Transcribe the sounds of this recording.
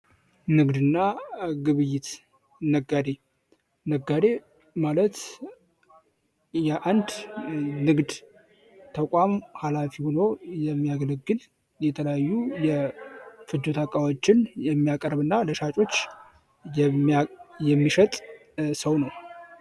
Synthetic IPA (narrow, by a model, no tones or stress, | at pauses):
nɨɡd̪ɨnːaɡɨβɨjːɪt̪ | nəɡad̪e̞ | nəɡːad̪e̞ | malət̪ | jɛʔand̪nɨɡd̪ | t̪ʰəkʷʼamhalafiho̞no̞jɛmːijaɡələɡːɨl | jɛt̪ʰələjajːujɛ | fɨd͡ʒːut̪ʰakʼawot͡ʃːɪnjɛmːijakʼəɾβɨnːaləʃat͡ʃʼo̞t͡ʃː | j | jɛmːiʃət̪ʼ | səwnəw